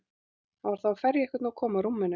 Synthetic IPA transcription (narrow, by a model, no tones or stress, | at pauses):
avaɾ̥θafɛɾjɛhkvɛt̪nawkʰɔːmaɾumːɪnʏ